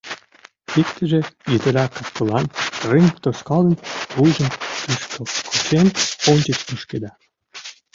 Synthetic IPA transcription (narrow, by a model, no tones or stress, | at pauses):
ikt̪ə̆ʒĕjet̪ə̆ɾɑkəfkə̆lɑnriŋt̪oʃkɑlənvujʒə̆nt̪iʃkə̆kʰot͡ɕenonʲt͡ɕə̆t͡ɕpuʃked̪ɑ